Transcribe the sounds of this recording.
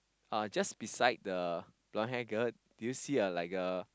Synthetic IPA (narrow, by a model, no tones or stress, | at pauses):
ad͡ʒasbisaɪd̚dəb̥lɔ̃nɦɛ̃ɡət̚d̥ujusiəlaɪkə